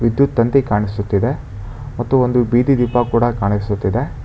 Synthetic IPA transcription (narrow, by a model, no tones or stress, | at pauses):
ʋid̪jut̪ːɐnt̪ikaːɳisut̪ːid̪e | mɐt̪ːuond̪ubiːd̪id̪ipːakuːɽɐkaːɳisut̪ːid̪e̞